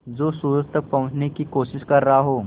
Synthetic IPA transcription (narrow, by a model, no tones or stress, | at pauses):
d͡zoːsuɾəst̪ʰəpɐ̃ɦə̃t͡ʃnekiːkoʃɪʃkɐɾːɐɦaɦoː